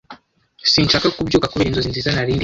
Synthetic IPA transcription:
sint͡ʃakakubɟuːkakuβiɾinzozinzizanaɾindi

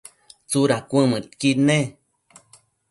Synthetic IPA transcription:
t͡suɾakʷə̃mɨt̪̚kine

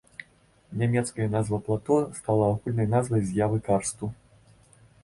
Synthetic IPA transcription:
nʲamʲɛt̪skɐjɐnazvɐplˠat̪ɔst̪alˠɐːɣulʲnɐjnazvɐjzʲjavɨkarst̪u

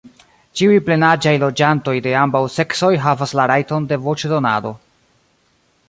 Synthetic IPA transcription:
t͡ʃiujple̞nad͡ʒajlo̞d͡ʒanto̞jde̞ambawse̞kso̞jɦavaslaɾajto̞nde̞vo̞t͡ʃdo̞na̰do̞

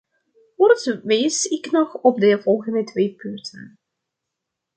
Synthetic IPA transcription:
kɔrtʋejsɪknɔxɔp̚dəvɔlˠɣəndətʋeːpʏntʰə̰n

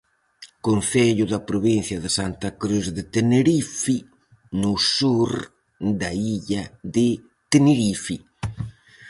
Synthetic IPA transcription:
konθɛʎuðapɾuβinθjɐðɪsant̪akɾuzðet̪eneɾifi | nusuɾ | d̪aiʎaðɪ | t̪eneɾifi

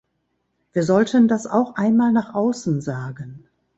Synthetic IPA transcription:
v̥iːɐzɔltʰəndasa̰ʊxʔaɪnmaːlnaːχʔaʊsn̩zaːɡən

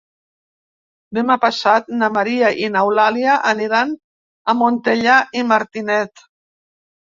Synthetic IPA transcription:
d̪emapasat̪̚namaɾiaʔinawlaljaʔaniɾan | amont̪eʎaʔimaɾt̪inɛt̪

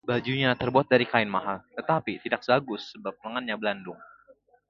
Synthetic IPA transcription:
bad͡ʒuɲat̪ərbuat̪̚daɾikaɪnmaɦalt̪ət̪apit̪idak̚baɡʊsːəbap̚nəŋanɲabəlandʊŋ

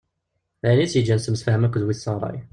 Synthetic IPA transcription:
ænit͡sːjəd͡ʒːænsəmsfæhəmækʷːðwiθsˤɑɾˤɑ̰j

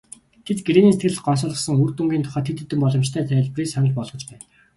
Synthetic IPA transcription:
t̪ʰet̪ɡɾeːniːsĕ̥t̪ɡɘ̆ɮɘ̆ɢɔnsɔːɮʁɞ̆χsə̆ŋurt̪uŋɡʲiːnt̪ʰʊ̥χaːt̪ʰːet̪ɵt̪ːɘ̆mpɔɮɞ̆mt͡ɕt̪ʰæːt̪ʰæ̆ɮpriːsan̆ɮpɔɮʁɞ̆t͡ɕpæːn

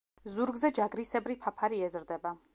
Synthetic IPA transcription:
zuɾɡzɛd͡ʒaɡɾisɛbɾipʰapʰaɾiɛzɾd̪ɛba

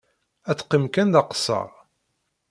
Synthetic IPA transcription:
æt͡sːqːimkænðɑqə̥sːɑ̰ʁ

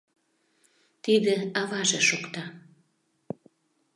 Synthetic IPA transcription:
t̪id̪eɑvɑʒeʃokt̪ɑ

